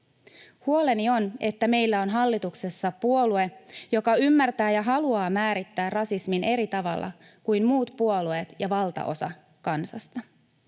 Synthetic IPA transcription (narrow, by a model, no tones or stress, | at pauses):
huo̞le̞nio̞ne̞t̪ːæme̞jlːæo̞nɦɑlːit̪ukse̞sːɑpuo̞lue̞jo̞kɑymːært̪æːjɑɦɑluɑːmæːɾit̪ːæːrrɑsismine̞ɾit̪ɑʋɑ̰lːɑ̰ | kujmmuːt̪puo̞lue̞ːt̪jɑʋɑlt̪ɑ̰ʔo̞̰sɑ̰ | kɑnsɑst̪ɑ